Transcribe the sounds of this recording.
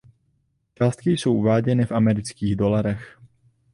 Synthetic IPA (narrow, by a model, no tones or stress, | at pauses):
t͡ʃaːst̪kɪjso̞wʔuvaːɟɛnɪfʔamɛɾɪt͡skiːɣdo̞laɾɛx